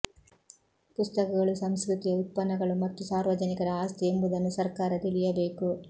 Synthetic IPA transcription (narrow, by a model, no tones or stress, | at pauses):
pust̪ɐkɐɡɐɭusɐmskɾut̪ijɐut̪̚pɐnːɐɡɐɭumɐt̪ːusaːɾʋɐd͡ʒɐnikɐɾɐaːst̪ʰɛembud̪ɐnːusɐɾkaːɾɐt̪ilijɐbeːku